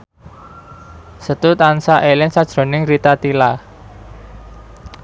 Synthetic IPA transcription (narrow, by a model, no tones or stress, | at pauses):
sət̪ut̪ansaʔelɪnsad̥ʒ̥ɾo̤nɪŋrit̪at̪ila